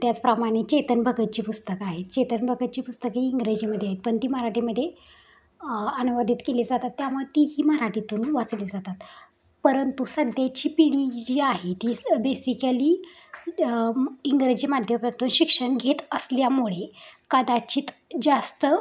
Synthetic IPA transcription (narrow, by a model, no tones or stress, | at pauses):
t̪jat͡spɾamaɽ̃it͡ɕet̪ənbʱəɡət̪̚t͡ɕiːpust̪əkaɦet̪t͡ɕet̪ənbʱəɡət̪̚t͡ɕiːpust̪əkiiŋɡɾəd͡ʑiːməd̪ʱːjaɦet̪̚pəɳt̪iːməɾaʈiməd̪ʱːje | ənuʋad̪ʱit̪keled͡zat̪at̪ːjamət̪iɦiːməɾaʈit̪uːnʋat͡sled͡zat̪at̪ | pəɾənt̪usəd̪ʱjat͡ɕiːpiɽ̃id͡ʑiaɦet̪iːbesikaliː | iŋɡɾəd͡ʑiːmad̪ʱjəpɾat̪uːnɕikʂəɳɡʱet̪əsljamuɭekəd̪at͡ɕiːt̪d͡zast̪ə